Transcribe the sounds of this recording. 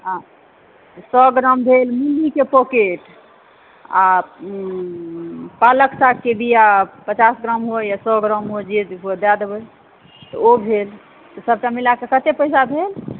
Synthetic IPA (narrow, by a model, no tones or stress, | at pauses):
ã | sɔɡɾambʱelmulːikepokeʈ | a | paləksakkːebijapət͡ʃasɡɾamɦojasɔɡɾamɦod͡ʒed͡ʒ̪ɦod̪ad̪ebəj | t̪ɔobʱel | t̪ɔsəb̚ʈamilakekət̪epəjsabʱel